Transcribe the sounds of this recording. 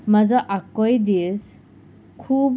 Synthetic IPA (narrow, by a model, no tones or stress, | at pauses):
mazɔʔakɔjdis | kʰub